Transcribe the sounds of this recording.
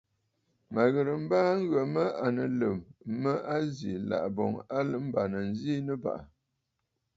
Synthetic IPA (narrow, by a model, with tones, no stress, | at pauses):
ma˨ɣə˨ɾə˨m̩˦baː˦ŋ˦ɣə˨mə˦a˨nə˨lə˨mːə˦a˦zḭ˨la̰˨ʔbɔ̰˨ŋa˦lə˦m̩˦ba˨nə˨n̩˦zi˦nə˦ba̰˨ʔa˨